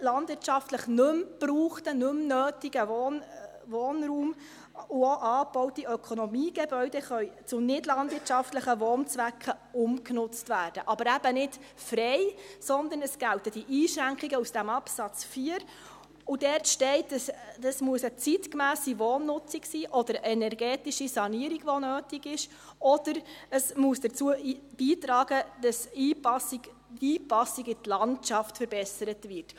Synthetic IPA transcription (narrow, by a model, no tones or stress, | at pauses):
lɑnd̥̪vɪrtt͡ʃɑftləχnɵmb̥ruːχtənɵmnøːtiɡəvɔːn | ʋoːnɾuːm | ʊoʔɑːb̥ɔwtiœkʰɔnɔmiːɡ̥ɛbœʏd̥ɛχœʏt͡sʊnɪdlɑnd̥ʋɪtt͡ʃɑftləχəʋɔːnt͡sʋækχə | ʊmknʊt͡stvæːrd̥əʔɑbəɾæb̥ənɪt | fɾɛɪsɔnd̪ənəsɡ̥æltəd̥iʔiːʃɾæŋkχiɡəusd̥æmɑpsɑt͡sfiːəɾ | ʊd̥ɛɾtʃtɛɪtsdɑsmuəsət͡sitkmæːsivoːnːʊt͡siksiːʔɔd̥̪əɾɛnɛɾɡɛːtiʃisɑniəɾiɡ̥ʋɔnøːtiɡɪʃ | ɔd̥əɾəsmuəsd̥ət͡suəb̥iːtɾɑːɡ̥əd̥ɑsiːpɑsi | iːpɑsiɡɪtlɑntt͡ʃɑftfəɾbɛsəɾətvɪɾt